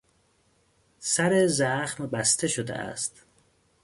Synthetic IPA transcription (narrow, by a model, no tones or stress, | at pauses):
sæɾezæxmbæst̪ʰeʃod̪ḛʔæ̰st̪